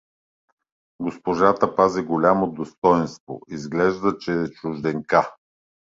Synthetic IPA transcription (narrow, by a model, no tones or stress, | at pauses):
ɡospoʒat̪əpaziɡolʲamod̪ost̪ɔjɛnst̪vo̰izɡlɛʒd̪ət͡ʃɛːt͡ʃʊʒd̪ɛŋka